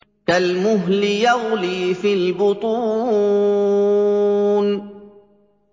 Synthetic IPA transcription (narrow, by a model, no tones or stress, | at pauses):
kalmʊɦlɪjaɣliːfilbʊt̪ˤuː | n